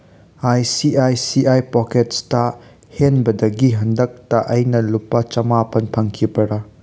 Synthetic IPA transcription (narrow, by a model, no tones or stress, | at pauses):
ajsiʔajsiʔajpɔket̚sta | henbɐdɐɡiɦɐndɐk̚tɐʔɐjnɐlupːɐt͡ʃɐmapʰɐnpʰɐŋkʰipɐɾɐ